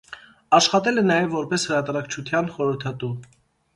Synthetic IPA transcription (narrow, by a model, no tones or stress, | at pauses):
ɑʃχɑt̪ɛlɛnɑjɛvːɔɾpɛshəɾɑt̪ɑɾɑkt͡ʃʰut̪ʰjɑnχɔɾəɾt̪ʰɑt̪u